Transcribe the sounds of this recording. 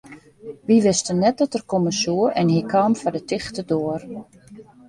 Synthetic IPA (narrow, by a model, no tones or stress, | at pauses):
ʋiʋɪstənːɛt̚dɔtərkoməsuəɛnhikʰaːmfɔdətɪxtədoər